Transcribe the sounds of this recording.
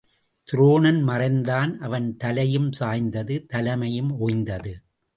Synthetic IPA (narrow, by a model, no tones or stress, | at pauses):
t̪ɪɾoːnɐnmɐrɐɪnd̪aːnʔɐʋɐnt̪ɐlɐjɯmsaːjnd̪ɐðɯt̪ɐlɐmɐjɯmʔoːjnd̪ɐðɯ